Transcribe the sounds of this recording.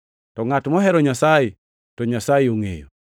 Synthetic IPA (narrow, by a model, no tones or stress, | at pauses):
tɔŋatmɔɦɛɾɔɲasaje | tɔɲasajɪoŋḛjo